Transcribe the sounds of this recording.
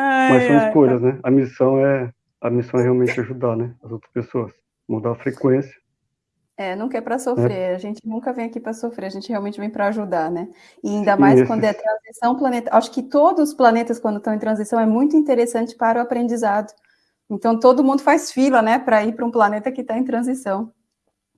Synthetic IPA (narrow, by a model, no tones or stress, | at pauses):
amɐjsɐ̃w̃skojzɐsnɛɐmisɐ̃w̃ɛ | ɐmisɐ̃w̃ɛɦeawmẽt͡ʃɪaʒud̪aɾnɛɐzowt̪ɾɐ̥spesoɐs | mũd̪afɾekwẽsiɐ̥ | ɛnũkɐɛpɾɐsofɾeɾɐʒẽnt͡ʃɪnũkɐvẽj̃akipɾɐsofɾeɾɐʒẽnt͡ʃɪheawmẽnt͡ʃɪvẽj̃pɾɐʒud̪aɾnɛ | ɪaĩnd̪ɐmmajswɐ̃nd̪ʊɛt̪ɾɐ̃zisɐ̃w̃plɐnet̪ɐʔaʃʊ̥kɪt̪od̪ʊzʊsplanet̪ɐskwɐ̃nd̪ʊt̪ɐ̃w̃ẽt̪ɾɐ̃zisɐ̃w̃ɛmũj̃t̪ʊĩnt̪eɾesɐ̃nt͡ʃɪ̥paɾʊapɾẽd͡ʒizad̪ʊ | ẽnt̪ɐ̃w̃t̪od̪ʊmũd̪ʊfajsfilɐnɛpɾɐipɾʊũplanet̪ɐkɪt̪aẽt̪ɾɐ̃zisɐ̃w̃